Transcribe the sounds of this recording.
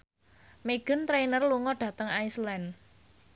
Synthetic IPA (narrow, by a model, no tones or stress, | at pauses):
meɡ̥ə̤nt̪ɾejnərluŋɔɖ̥ä̤t̪əŋajslɛn